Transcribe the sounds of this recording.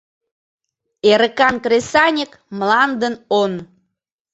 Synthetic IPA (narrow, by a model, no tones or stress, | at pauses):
eɾəkɑnkɾesɑnʲək | mlɑnd̪ənon